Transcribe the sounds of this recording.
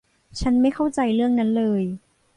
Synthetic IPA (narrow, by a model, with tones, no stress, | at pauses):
t͡ɕʰa˦˥nma˥˩jkʰa˥˩wt͡ɕa˧jɾɯ˥˩əŋna˦˥nlɤː˧j